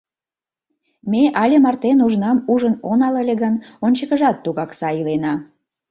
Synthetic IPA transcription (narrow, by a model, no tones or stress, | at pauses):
meʔɑlʲemɑrt̪enuʒnɑmuʒənonɑlelʲeɣənonʲt͡ɕəkəʒɑt̪ːuɣɑksɑilenɑ